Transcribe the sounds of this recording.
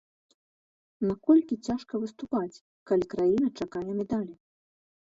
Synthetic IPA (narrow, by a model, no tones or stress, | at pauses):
nakɔlʲkʲit͡sʲaʂkɐvɨst̪upat͡sʲ | kalʲikɾajinɐt͡ʂakajɛmʲɛd̪alʲi